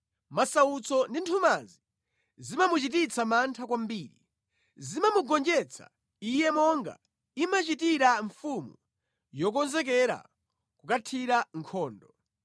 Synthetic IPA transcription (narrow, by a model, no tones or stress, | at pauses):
masaut͡sʰɔndintʰumazi | zimamut͡ʃit̬it͡sʰamantʰakwambiːɾḭ | zimamuɡɔnd͡ʒɛt͡sʰa̰ | ijɛmɔŋɡa̰ | imat͡ʃitiɾaɱfumu | jɔk̬ɔnzɛk̬ɛɾa̰ | kukatʰiɾaŋkʰɔːndɔ